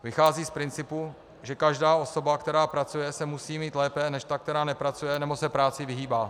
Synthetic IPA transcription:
vɪxaːziːspɾɪnt͡sɪpu | ʒɛkaʒdaːʔo̞so̞bakt̪ɛɾaːpɾat͡sujɛsɛmusiːmiːt̪lɛːpɛnɛʃt̪ak̚t̪ɛɾaːnɛpɾat͡sujɛnɛbo̞sɛpɾaːt͡sɪvɪɦiːbaː

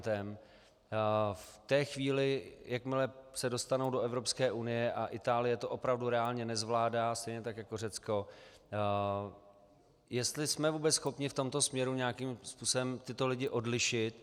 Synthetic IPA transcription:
t̪ɛm | ft̪ɛːxviːlɪjakmɪlɛsɛdo̞st̪anowdo̞ɛvɾo̞pskɛːʔunɪjɛʔaʔɪt̪aːlɪjɛt̪o̞ʔo̞pɾavduɾɛaːlɲɛnɛzvlaːdaːst̪ɛjɲɛt̪akjakor̝ɛt͡sko̞ | jɛst̪lɪsmɛvuːbɛt͡ssxo̞pɲɪft̪o̞mt̪o̞smɲɛɾuɲɛakimspuːso̞bɛmt̪ɪt̪o̞lɪɟɪʔo̞dlɪʃɪt̪

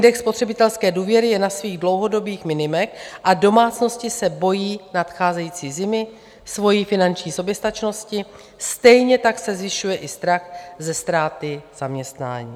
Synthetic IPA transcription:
ɪndɛkspo̞t̪r̝̥ɛbɪt̪ɛlskɛːduːvjɛɾɪjɛnasviːɣdlo̞wɦo̞do̞biːxmɪnɪmɛxʔado̞maːt͡sno̞scɪsɛbo̞jiːnat̪xaːzɛjiːt͡siːzɪmɪ | svo̞jifɪnant͡ʃɲiːso̞bjɛst̪at͡ʃno̞scɪ | st̪ɛjɲɛt̪aksɛzvɪʃujɛʔɪst̪ɾaxzɛst̪ɾaːt̪ɪz̥amɲɛst̪na̰ːɲḭː

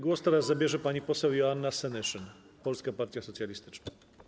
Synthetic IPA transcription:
ɡwɔst̪ɛɾazzabʲjɛʐɛpaɲipɔsɛwjɔanːasɛnɘʂɘn | pɔlskapaɾt̪ʲjasɔt̪sʲjalʲist̪ɘ̥t͡ʂna

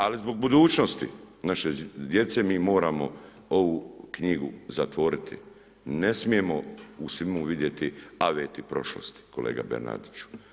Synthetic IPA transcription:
alizbo̞ɡ̚bud̪uːt͡ʃno̞st̪ḭnaʃed̪je̞t̪se̞miːmo̞ːɾaːmo̞ | o̞ʋukɲiɡuzat̪ʋo̞ɾit̪ʰḭ | nesmie̞mo̞usʋimuʋid̪je̞t̪iaʋeːt̪ipɾo̞ʃlo̰st̪i̥ko̞lḛːɡa̰beɾna̰d̪it͡ɕu̥

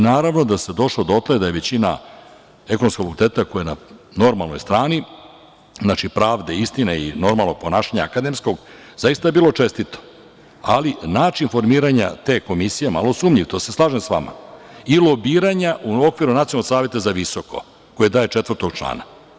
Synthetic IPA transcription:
naːɾaʋno̞d̪ased̪o̞ʂlod̪ot̪led̪ajeʋet͡ɕina̰ | e̞konomskoɡfakult̪e̞ːt̪akojenano̞ɾmalno̞jst̪ɾaːni | znat͡ʃipɾaːʋd̪eist̪ineḭno̞ɾmalno̞ɡ̚po̞naːʃaɲaːkad̪e̞msko̞ɡ | zajist̪ajebiːlˠo̞t͡ʂest̪it̪o̥ | a̰linaːt͡ʃinfo̞ɾmiːɾaɲa̰t̪e̞ːko̞misijema̰lo̞suːmʎiʋt̪ose̞slˠaːʒemsʋama̰ilˠo̞biːɾaɲaʔuo̞kʋiɾunat̪ionlːoksaːʋje̞t̪azaʋiso̞ko̞̰ | ko̞jed̪aːje̞t͡ʂet̪vərt̪oɡ̥t͡ʃlˠa̰ːna

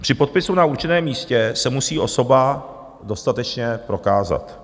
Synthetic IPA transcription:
pr̥ɪpo̞t̪̚pɪsunauɾt͡ʃɪnɛːmiːscɛsɛmusiːʔo̞so̞ba | do̞st̪at̪ɛt͡ʃɲɛpɾo̞kaːza̰t̪

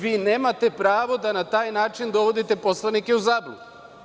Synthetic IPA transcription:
ʋiːne̞ːmat̪e̞pɾaːʋo̞d̪anat̪aːjnaːt͡ʃind̪o̞ʋo̞d̪it̪e̞po̞slˠanike̞uzaːbluɡ̪

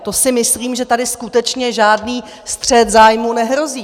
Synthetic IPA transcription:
t̪o̞sɪmɪsliːmʒɛt̪adɪskut̪ɛt͡ʃɲɛʒaːdniː | st̪r̝̥ɛt̪zaːjmuːnɛɦɾo̞ziː

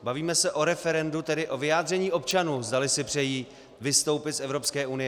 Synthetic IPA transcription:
baviːmɛsɛʔo̞ɾɛfɛɾɛndut̪ɛdɪʔo̞vɪjaːd̪rɛɲiːʔo̞pt͡ʃanuːzdalɪsɪpr̝̥ɛjiː | vɪst̪o̞wpɪt̪sɛvɾo̞pskɛːʔunɪjɛ

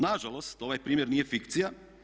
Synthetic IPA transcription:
naʒalˠo̞st̪o̞ʋajpɾiːmjeɾniːjefikt̪sija

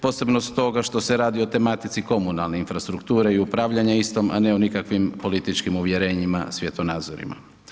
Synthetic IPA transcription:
po̞ːse̞bnost̪o̞ɡaʃt̪o̞se̞ɾaːd̪io̞t̪e̞mat̪it̪siko̞munalneinfɾast̪ɾukt̪uːɾe̞iupɾaːʋʎaɲaist̪o̞ma̰neonikakʋimpo̞lit̪it͡ʃkimuʋjeɾe̞ːɲima̰sʋje̞t̪onaːd̪zoɾḭma̰

